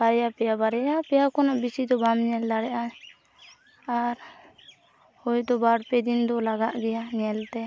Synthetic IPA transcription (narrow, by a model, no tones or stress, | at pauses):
b̥aɾɛjapɛjabaɾɛjapɛjakɔnaʔbisid̪ɔbamɲɛld̪aɽɛʔa | aɾ | hɔjd̪ɔbaɽpɛd̪ind̪ɔlaɡaʔɡɛjaɲɛlt̪ɛ